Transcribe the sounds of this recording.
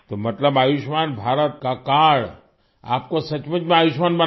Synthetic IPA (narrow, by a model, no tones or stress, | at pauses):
t̪omɐt̪ləbaːjuʃmaːnbʱaːɾət̪kakaːɽ | a̰ːpkosɐt͡ʃmət͡ʃmẽaːjuʃmaːnbɐ